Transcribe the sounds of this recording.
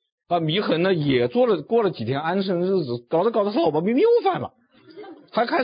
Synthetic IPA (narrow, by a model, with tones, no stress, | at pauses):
ə˧mi˧˥xə˧˥nnə˧jɛ˨˩t͡swɔ˥˩lə˩kwɔ˥˩lə˩t͡ɕi˨˩jɛ˥na˥nʂ̬ɤ˥ŋɻɻ̩˥˩d͡zɹ̩˩kɑ˨˩ʊt͡sə˧˩kɑ˨˩ʊə˧˥ʂba˧˥mi˥ŋm˥jʊfa˥˩nlɐ̰˩ | xa˧˥ɪkʰa˥